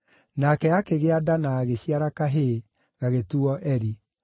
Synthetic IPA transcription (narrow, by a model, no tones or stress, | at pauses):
nakɛakeɣeadanaːɣeɕiaɾakaɦe | ɣaɣetuɔʔɛɾi